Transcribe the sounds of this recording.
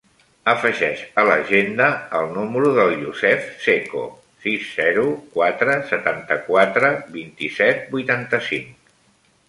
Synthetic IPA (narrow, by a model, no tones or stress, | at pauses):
əfəʒɛʃələʒend̪əːlˠnuməɾuðəlˠʎuzɛfseko̰ | sizːɛɾukwat̪ɾəsət̪ant̪əkwat̪ɾəbint̪isɛt̪̚bujt̪ant̪əsiŋk